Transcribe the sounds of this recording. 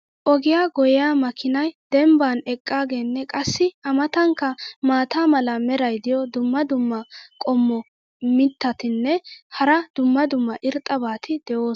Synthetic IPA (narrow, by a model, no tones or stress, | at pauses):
ʔɔɡɪjaːɡɔjɪjaːmɐkɪnɐjd̪ɛmbaːnɛkʼːaːɡe̞ːnːɛkʼɐsːɪɐmɐt̪ɐŋkːɐmaːt̪aːmɐlɐmɛɾɐjd̪ɪjɔd̪ʊmːɐd̪ʊmːɐkʼɔmːɔ | mɪt̪ːɐt̪ɪnːɛhɐɾɐd̪̥ʊmːɐd̪ʊmːɐʔɪɾt̪ʼːɐbaːt̪ʰɪd̪̥ɛʔo̞ː